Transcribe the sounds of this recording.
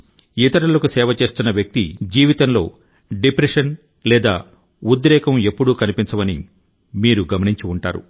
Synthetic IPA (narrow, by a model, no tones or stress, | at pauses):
it̪ɐɾɐlɐkusɛːʋɐt͡ʃe̞ːst̪unːɐʋjɐk̚t̪id͡ʒiːʋit̪ɐnlo̞̰ː | ɖipɾeʂɐn | lɛːd̪a̰ː | ud̪ɾɛːkɐme̞pːuɽukɐnipiɲt͡ʃɐʋɐnḭ | miːɾuɡɐmɐniɲt͡ʃiuɳʈa̰ːɾṵ